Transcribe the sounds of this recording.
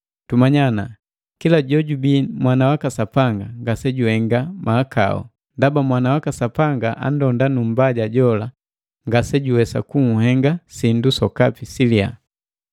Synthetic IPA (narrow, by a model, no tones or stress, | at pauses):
tumaɲana | kilaɟɔɟubimwanawakasapaŋɡaŋɡasɛɟuhɛŋɡamaːka̰ɔ̰ | ndabamwanawakasapaŋɡaʔa̰n̩dɔndanum̩baɟaɟɔla | ŋɡasɛɟuwɛsa̰kuŋuhɛŋɡasindusɔkapisilia̰